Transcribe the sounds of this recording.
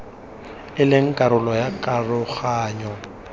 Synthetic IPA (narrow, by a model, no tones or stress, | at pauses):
ɪlɪŋ̩kʼaɾʊlɔjakʼarʊɣaːɲɔ